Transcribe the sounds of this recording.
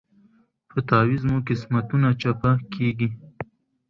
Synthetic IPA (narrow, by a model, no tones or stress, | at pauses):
pət̪ɑwizmukɪsmat̪unat͡ʃapakʰeɡi